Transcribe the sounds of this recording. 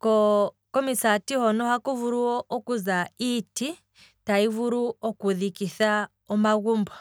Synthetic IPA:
kɔkɔmisatihɔnɔhakɔvuɾuɔʔɔkuzaiti | taivuɾuɔkuðikiθa | ɔmaɣumbɔ

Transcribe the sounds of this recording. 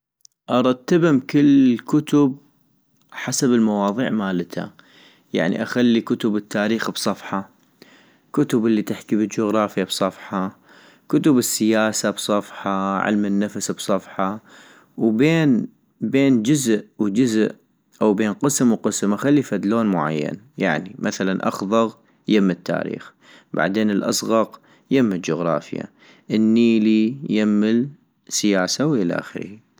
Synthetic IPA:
ʔɑɾˤɑt̪ːabɪmkɪlːkʊt̪ʊb̚ | ħasabəlmɑwɑːðˤḭːʕmaːlɪt̪ʰa̰ | ja̰ʕnḭʔaxalːikʊt̪ʊbɪt̪ʰːaːɾiːxbsˤɑfħɑ | kʊt̪ʊbʔlːit̪ɪħkibəd͡ʒʊɣɾˤɑːfjːabsˤɑfħɑ | kʊt̪ʊbɪsːɪjaːsabsˤɑfħɑʕɪ̰lmɪnːafasbsˤɑfħɑ | wbeːn | beːnd͡ʒʊzʔwd͡ʒʊzʔ | ʔawbeːnqɨsmwqɨsmaxalːifad̪loːnmʊʕa̰jːa̰n | jaʕnimʔaθalanʔɑ̰xðˤɑɣ | jɪmːɪt̪ːa̰ːɾḭːx | ba̰ʕd̪eːnɪlʔɑ̰sˤɣɑq | jɪmːɪld͡ʒʊɣɾˤɑ̰ːfja̰ | ʔənːiːlijɪmːɪl | sɪjaːsawʔɪla̰ʔa̰xɾḭ

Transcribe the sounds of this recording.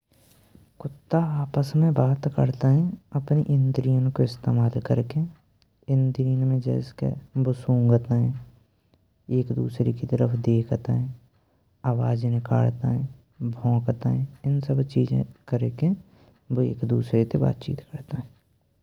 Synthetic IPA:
kʊt̪ːaaːpəsmẽbaːt̪kə̰ɾt̪aɦɛ̃əpniʔɪnd̪ɾijənkoɪst̪eːmaːlkəɾke | ɪnd̪ɾiːənmẽd͡ʒɛ̰ːskḛbʊsũːŋɡt̪aɦɛ̃ | eːkd̪ṵːsɾekit̪əɾəpʰd̪eːkʰt̪aɦɛ̃ | aːwaːd͡ʒnɪka̰ːɭt̪aɦɛ̃ | bʱɔ̃ːkt̪aɦɛ̃ɪnsəbt͡ʃiːd͡ʒḛ̃kəɾeke | bḛːkd̪uːsɾet̪eba̰ːt̪t͡ʃḭːt̪kəɾt̪eɦɛ̃ː

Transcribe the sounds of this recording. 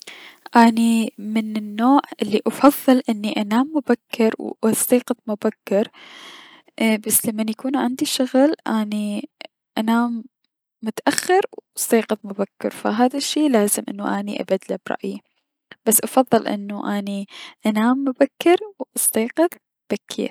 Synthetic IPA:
ʔaːnimɪnɪnːoːʕʔɪlːiʔɑfɑðˤːɨlʔɪnːiʔanaːmːʊbakːɪɾwɑst̪iːqɨðˤmʊbakːɪɾ | basːlamːanjakuːnʕɪnd̪iʃʊɣlʔaːni | ʔanaːmː | ʊt̪aʔaxːɪɾwst̪iːqɨðˤmʊbakːɪ̰ɾfa̰ɦaːðaʃːiːlaːzɪmʔɪ̰nːuʔaniʔa̰bad̪labɾˤɑ̰ʔji | b̥asːʔɑfɑðˤːɨlʔɪ̰nːuʔaniʔanaːmːʊbakːɪɾwʔɑst̪ɑːqɪðˤ | b̥akʰːḭːɾ

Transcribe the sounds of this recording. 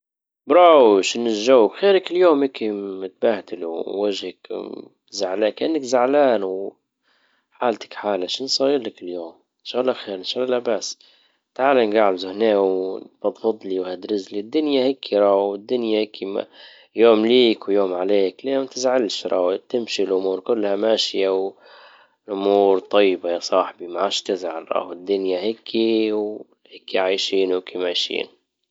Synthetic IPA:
bɾˤɑwʃɪnːɪʒawːkxeːɾɪkɪljoːmʔeːkimɪt̪̚baht̪ɪluːaʒhak | zaʕlaːkʔɪnːɪkzaʕlaːnw | ħaːlt̪ḁkħaːlaʃnsˤɑːjɪɾlakɪljoːm | ɪnʃaːɣlːɑxeːɾɪnʃaːɣlːɑbasː | t̪ʕaːlanɡaʕlzʊhneːwfɑd̪ˤfɑd̪ˤliwhad̪ɾɪzlid̪ːʊnjaheːkʰiɾˤɑːhɪd̪ːʊnjaheːkʰima̰ | joːmliːkwjoːmʕaleːkljoːmt̪ɪzʕalʃɾˤɑ̰ht̪ɪmʃilʔʊmuːɾkʊlːhamaːʃɪjaw | lʔʊmuːɾt̪ˤɑjːbajɑsˤɑːħbimaʕaːʃt̪ɪzʕalɾˤɑ̰ːhɪd̪ːʊnjaheːkʰːiw | heːkːiʕaːjʃiːnhukimaːjʃḭːn

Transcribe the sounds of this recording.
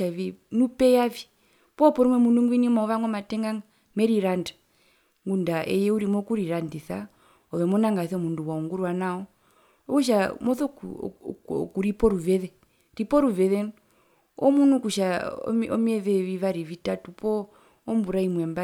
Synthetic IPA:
ainupɛjavi | pɔpɔɾimwɛmunuŋɡwinimaɔʋaŋwɛmatɛŋɡaŋa | mɛɾiɾanda | ŋɡundaʔɛ̰jɛuɾimɔkuɾiɾandiθa̰ | ɔʋɛmɔnaŋɡaθɛmunduwauŋɡuɾwanaɔ | ɔkuʃ̬amɔθɔ | kuɾipɔɾuvɛðɛ | ɾipɔɾuvɛðɛn | ɔ̰munukuʃa̰mɔ̰miɛðɛʋiʋaɾivitatupʰɔː | mbuɾaimwɛmba

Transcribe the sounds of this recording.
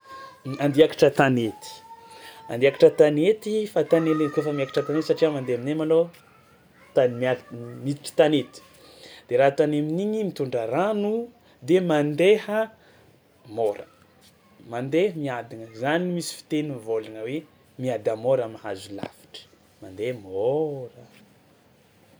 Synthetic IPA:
and̪iakḁʈ͡ʂət̪anet̪i̥ | and̪iakaʈ͡ʂət̪anet̪ifat̪anelekefəmiakḁʈ͡ʂət̪anet̪saʈ͡ʂiamand̪eaminemalo | t̪anmamiʈ͡ʂi̥t̪anet̪i̥ | d̪̥eɾaɦt̪aneminiɲimit̪uɳɖ͡ʐəɾanu | d̪emand̪ehə | moɾə | mand̪eɦəmiad̪iŋəzanimisi̥fi̥t̪eninvolaŋəwe | miad̪amoɾamaɦazula̰fi̥ʈ͡ʂə̥ | mand̪emoɾə

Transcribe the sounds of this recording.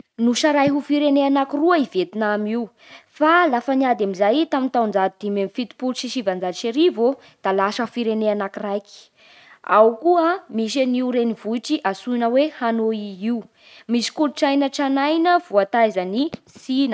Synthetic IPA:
nuʃaɾajɦufiɾeneanakiruəivet̪inamiu | falafaniad̪amizajt̪amint̪awnd͡ʒad̪̚d̪imemifit̪i̥pulʃiʃivand͡zadʃeɾivo | d̪̥alaʃəufiɾeneanakirajki̥ | a̰wkuəmiʃ̬eniuɾenivuiʈ͡ʂiʔasuinəwehanoiiu | misi̥kuluʈ͡ʂajnəʈ͡ʂanajnəv̥uat̪ajzəni | sinə

